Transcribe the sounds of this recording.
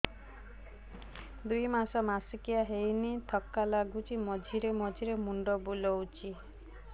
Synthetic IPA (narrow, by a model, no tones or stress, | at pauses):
d̪ujmasɔmasikijaɦejnit̪ʰɔkːalaɡut͡ʃʰimɔd͡ʒʱiɾemɔd͡ʒʱiɾemuɳɖɔbulɔwt͡ʃʰi